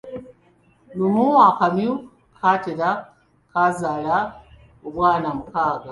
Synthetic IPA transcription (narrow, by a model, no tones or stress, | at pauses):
numuwakamju | kʰateɾa | kazala | ubwaːnamukaːɡa